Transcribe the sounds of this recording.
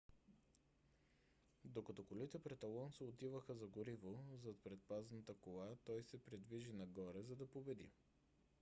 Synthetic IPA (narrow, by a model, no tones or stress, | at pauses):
d̪okɐt̪ɔkolit̪ɛpɾɛt̪ɐlˠɔnsɛot̪ivəxəzɐɡoɾivozɐt̪̚pɾɛt̪̚paznət̪əkolˠat̪ɔjsɛpɾid̪viʒinɐɡɔɾɛzɐd̪ɐpobɛd̪ḭ